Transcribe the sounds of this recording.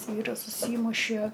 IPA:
ˈʋʲiːrɐs ʊʃʲˈsʲiːmʊʃʲiɛ

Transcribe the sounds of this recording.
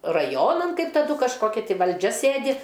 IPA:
rɐˈjoːnɐn ˈkɐɪp tɐˈdʊ kɐʃˈkoːkʲɪ ˈtɐɪ ʋɐlʲˈd͡ʒʲɛ ˈsʲeːdʲɪ

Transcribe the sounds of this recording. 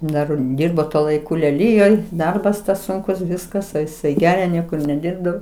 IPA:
ˈdɐr ˈdʲiːrboː tuɔ lˠɐɪˈkʊ lʲɛˈlʲiːjoːj ˈdɐrbɐs ˈsʊŋkʊs ˈʋʲɪskɐs ɐ ɪˈsɐɪ ˈɡʲæːrʲɛ ˈnʲiɛkʊr nʲɛˈdʲɪrbdɐʋoː

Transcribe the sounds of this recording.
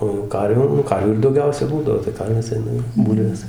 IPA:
oː jɛʊ ˈkɐrʲʋʲuː nʊ ˈkɐrʲʋʲuː ɪr dɐʊˈɡʲɛʊsʲɛ ˈbuːdɐʋoː tɐɪ ˈkɐrʲʋʲeːs ˈɐɪnɐ jɛʊ ˈbuːlʲʋʲeːs

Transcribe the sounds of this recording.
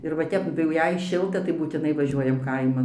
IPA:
ɪr ʋɐ ˈtʲɛp tɐɪ jɛʊ jɛɪ ˈʃʲɪlˠtɐ tɐɪ buːtʲɪˈnɐɪ ʋɐˈʒʲuɔjɛm ˈkɐɪmɐn

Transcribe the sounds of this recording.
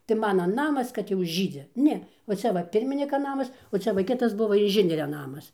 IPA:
tɐɪ ˈmɑːnɐ ˈnɑːmɐs kɐt jɛʊ ˈʒʲiːd͡zʲɪ ˈnʲɛ ʋɐ ˈt͡sʲɛ ʋɐ ˈpʲɪrʲmʲɪnʲɪkɐ ˈnɑːmɐs oː ˈt͡sʲɛ ʋɐ ˈkʲɪtɐs ˈbʊʋɐ ɪnʲˈʒʲɪnʲiɛrʲɛ ˈnɑːmɐs

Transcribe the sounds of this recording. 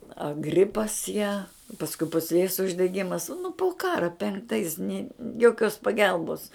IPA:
ɐ ˈɡrʲɪpɐs jæː pɐsˈkʊɪ pʊsʲˈlʲeːs ʊʒʲdʲɛˈɡʲɪmɐs nʊ pʊ ˈkɑːrɐ pʲɛŋkˈtɐɪs nʲɪ joːˈkʲoːs pɐˈɡʲɛlˠboːs

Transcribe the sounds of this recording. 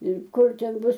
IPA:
ɪr ˈkʊr ˈtʲɛn ˈbʊs

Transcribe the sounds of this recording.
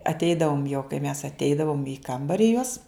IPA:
ɐtʲˈɛɪdɐʋʊm joː kɐɪ mʲɛs ɐtʲˈɛɪdɐʋʊm iː ˈkɐmbɐrʲɪ juɔs

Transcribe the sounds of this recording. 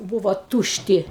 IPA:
ˈbuːʋoː ˈtuːʃʲˌtʲɪ

